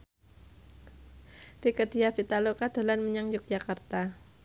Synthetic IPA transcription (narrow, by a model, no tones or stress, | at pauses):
rikəd̥iafit̪alokad̪̥a̤lanməɲaŋjʊk̚d͡ʒakart̪a